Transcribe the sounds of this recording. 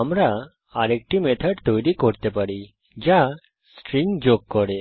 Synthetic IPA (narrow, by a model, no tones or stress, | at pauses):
amɾa | aɾek̚ʈimet̪ʰəɖt̪ojɾikɔɽt̪ɛpaɽi | d͡ʑa | sʈɾiŋɡd͡ʑokːɔɽe